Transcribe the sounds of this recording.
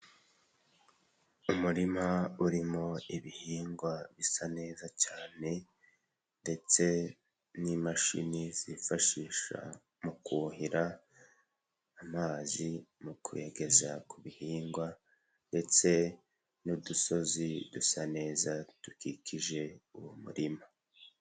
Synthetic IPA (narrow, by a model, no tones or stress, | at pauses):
umuɾimauɾimo̞iβihiːŋɡwaβisane̞ːzacaːne̞ | nde̞t͡se̞ | nimaʃḭniz̥ifaʃiːʃa̰ | mukuhiɾa | maːzimukʰueɡe̞za̰kʰuβihiːŋɡwa | nde̞t͡se̞ | nuduso̞zidusane̞ːzatukikʰiʒe̞uwomṵɾima